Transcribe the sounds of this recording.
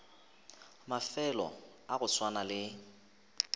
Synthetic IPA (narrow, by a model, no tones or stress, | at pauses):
mafɛlɔ̰ | aɣʊswanalɪ